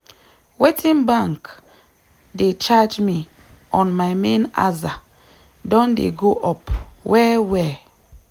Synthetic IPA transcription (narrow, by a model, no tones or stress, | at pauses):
wetʰĩnbãŋk | det͡ʃad͡ʒmi | ʔɔ̃nmaɪmẽna̰za | dɔ̃ndḛɡoʔɔpwɛwɛ